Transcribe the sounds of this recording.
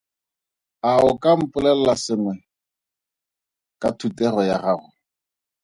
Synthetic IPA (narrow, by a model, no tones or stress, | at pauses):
aʊkʼam̩pʼʊlɛl̩lasɪŋwɛ | kʼatʰutɛrɔjaχaːrʊ